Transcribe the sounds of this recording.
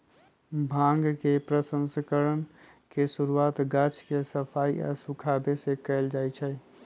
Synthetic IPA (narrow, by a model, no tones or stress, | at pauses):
bʱãŋɡkepɾəsə̃nskəɾən | kesuɾuat̪ɡat͡ʃkesəpʰaia̰sukʰabesekəɪld͡ʒajt͡ʃʰɛ